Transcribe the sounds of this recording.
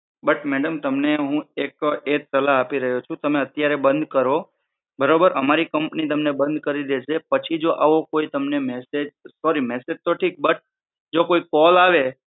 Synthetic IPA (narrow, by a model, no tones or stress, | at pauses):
bəʈmɛɽəmt̪əmneɦũeked͡ʒsəlaɦapiɾəɦjot͡ʃʰũt̪əmeət̪jaɾebə̃nd̪ʱkəɾo | bəɾobəɾəmaɾikəmpnit̪əmnebə̃nd̪̚ʱkəɾid̪et͡ʃʰepət͡ʃʰid͡ʒoʔaʋokoit̪əmnemɛsed͡ʒsɔɾimɛsed͡ʒt̪oʈʰik̚bəʈ̚ | d͡ʒokoikɔlaʋe